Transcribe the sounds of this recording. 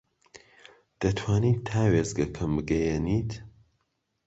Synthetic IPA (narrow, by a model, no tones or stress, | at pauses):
d̪̥ɐt̪ʰwaːnit̪ʰːaːweːzɡɐkʰɐmbɨɡɐjeniːt̪